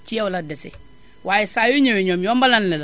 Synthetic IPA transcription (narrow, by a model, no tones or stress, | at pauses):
t͡ʃijawuladesḛ | wajisajuɲeweɲomjombalannil